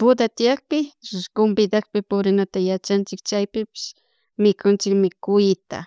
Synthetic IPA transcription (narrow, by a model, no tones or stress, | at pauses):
pʊd̪at̪ɪjak̚pɪʊkʊmbɪd̪akpɪpʊɾɪnat̪ajat͡ʃant͡ʃɪkt͡ʃajpɪpɪ̥s | mɪkʊnt͡ʃɪkmɪkʊjɪt̪a̰